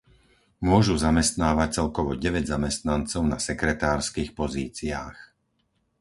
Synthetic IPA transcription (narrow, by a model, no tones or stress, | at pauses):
mʊɔʒuzamɛst̪naːʋac̚t͡sɛlkɔʋɔɟɛʋɛɟzamɛst̪nant͡sɔʊnasɛkɾɛt̪aːɾskiːxpɔziːt͡siaːx